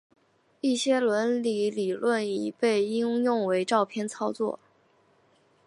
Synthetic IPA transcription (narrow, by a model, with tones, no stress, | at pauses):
i˥˩ɕjɛ˥lwə˧˥nli˧˥li˨˩lwə˥˩ni˨˩pe˥˩ɪi˥ŋjʊ˥˩ŋwe˧˥ɪʈ͡ʂɑ˥˧ʊpʰjɛ˥˧nt͡sʰɑ˥ʊt͡swɔ̰˥˩